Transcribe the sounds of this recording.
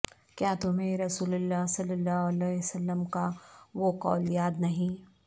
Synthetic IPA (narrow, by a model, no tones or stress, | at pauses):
kjaːt̪ʊmẽɾɐsuːlʊlːaːɦsɐlːəlːaːɦɐlɛːsɐlːəmkaʋokɔ̰ːljaːd̪nɐɦĩ